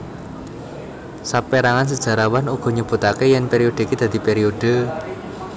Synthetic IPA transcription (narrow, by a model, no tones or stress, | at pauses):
sapeɾaŋans̬əd̥ʒ̥ä̤ɾawanuɡ̥ɔ̤ɲəb̥ṳt̪akejɛnpeɾiod̪̥i̤kid̪̥ä̤d̪̥i̤peɾioɖ̥ə̤